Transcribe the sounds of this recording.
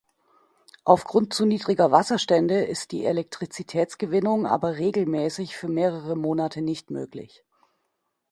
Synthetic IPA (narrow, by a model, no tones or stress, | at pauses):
ʔaʊfɡ̥ʁʊnt̚t͡suniːdʁɪɡɐvasɐʃtɛndəʔɪst̚d̥ḭːelɛk̚tʁ̥it͡sitʰɛːt͡sɡ̥əvɪnʊŋʔa̰ːbɐʁeːɡl̩mɛːsɪçfyːɐmeːʁəʁəmoːnatʰənɪçtmøːklɪ̰ç